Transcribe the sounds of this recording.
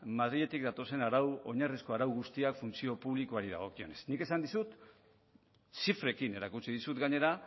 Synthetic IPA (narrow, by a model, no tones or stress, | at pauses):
maðɾiʎe̞t̪ik̚d̪at̪o̞se̞naɾawo̞ɲarisko̞aɾawɣust̪iakfunt͡sio̞puβlikoaɾið̞a̰ɣ̞o̞kio̞ne̞snike̞sand̪isut̪ | sifɾe̞kine̞ɾakut͡siðisut̪ɡaɲe̞ɾa